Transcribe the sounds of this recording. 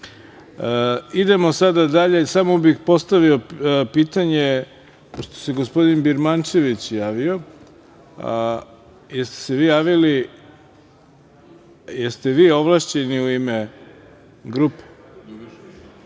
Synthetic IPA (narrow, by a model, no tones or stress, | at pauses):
id̪e̞mo̞sad̪ad̪aʎe̞samo̞bixpo̞st̪aʋiopiːt̪aɲe | poʃt̪o̥seɡospo̞d̪inbiɾmant͡ʃe̞ʋit͡ɕjaːʋio̞ | jest̪e̥seʋiːjaːʋili | jest̪eʋiːo̞ʋlˠaʃt͡ɕe̞niuime | ɡɾupe̥